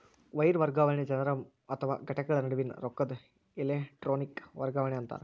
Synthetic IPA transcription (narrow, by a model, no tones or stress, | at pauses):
ʋɐjɾʋɐɾɡaːʋɐɳɐd͡ʒɐnɐɾɐm | ɐt̪ʰːɐʋa̰ːɡɐʈːɐkːɐɭɐnɐɽuʋinɾokːɐd̪ | ileʈɾoːnikʋɐrɡaːʋɐɳɐɐnt̪a̰ːnɨ